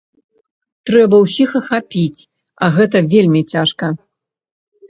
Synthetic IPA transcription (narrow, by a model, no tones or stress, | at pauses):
t̪ɾɛbɐwsʲixɐxapʲit͡sʲ | ɐɣɛt̪̬ɐvʲelʲmʲit͡sʲaʂkɐ